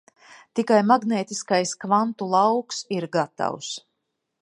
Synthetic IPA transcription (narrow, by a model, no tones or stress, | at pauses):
t̪ikajmaɡneːt̪iskajskvant̪ulˠawksiɾɡat̪a̰ws